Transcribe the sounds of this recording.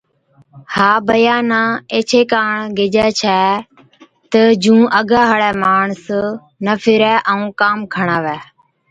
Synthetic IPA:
haːbəjaːnãːeːt͡ʃʰeːkaːɳɡɪd͡ʒɛːt͡ʃʰɛː | t̪əd͡ʒũːʔəɡaːɦəɭɛːmaːɳs | nəfʰɪɾɛːʔəũːkaːmkʰəɳaːʋɛː

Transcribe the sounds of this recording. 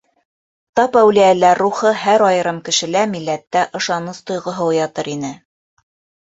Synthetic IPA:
t̪ɑpæwlijælæɾːuχɤhæɾɑjɤ̆ɾɤmkɘ̆ʃɘ̆læmilːæt̪ːæʔɤ̆ʃɑnɤst̪ŏjʁɤ̆ɦɤwjɑt̪ɤɾinɘ

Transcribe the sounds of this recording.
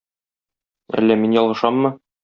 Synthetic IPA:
æ̰lːæminjɒlˠʁɤ̆ʃɑmːɤ

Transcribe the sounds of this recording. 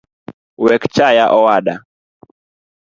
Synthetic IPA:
wɛkt͡ʃajaʔɔwaɗa

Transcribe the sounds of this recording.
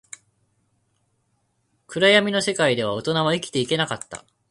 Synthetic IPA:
kɯ̟ɾajamʲino̞se̞kaid̪e̞β̞ao̞t̪o̞naβaikʲi̥t̪e̞ike̞nakat̪ːa̰

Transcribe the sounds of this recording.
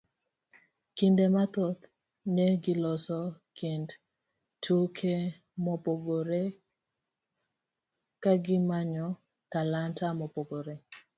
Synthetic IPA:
kindemat̪ot̪ | neɡɪlɔsɔkend | tʰukʰe | mɔpoɡoɾe | kaɡɪmaɲɔ | t̪alantamɔpoɡoɾe

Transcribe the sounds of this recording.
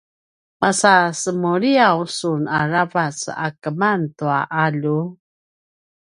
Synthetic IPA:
masasəmuɾiawsunaɾavasa̰kəmantuaʔaʎu

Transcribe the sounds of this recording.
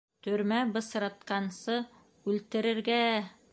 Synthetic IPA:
t̪ɵ̆ɾmæbɤ̆sɾɑt̪qɑnsɤ | ʉlt̪ɘ̆ɾɘ̆ɾɡæ

